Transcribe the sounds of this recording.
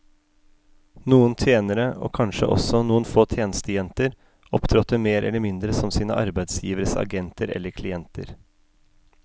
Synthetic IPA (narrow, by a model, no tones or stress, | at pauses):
nuːənt̪ʰeːnəɾəʔo̰ːkʰɑnʃə̰ʔɔ̰sɔnuːənfoːt̪ʰjeːnəst̪əjɛnt̪əɾ | ɔpt̪ʰɾɔt̪ːəmeːɾʔɛ̰ləmɪnd̪ɾəsɔmsiːnə̰ʔɑ̰ɾbæɪd̪sjiːʋəɾəsɑ̰ɡɛnt̪əɾɛ̰lːəɾkʰlɪɛnt̪ə̰ɾ